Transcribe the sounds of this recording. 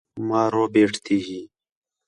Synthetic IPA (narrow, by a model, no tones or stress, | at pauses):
maːɾoːbeːʈʰt̪ʰiːɦiː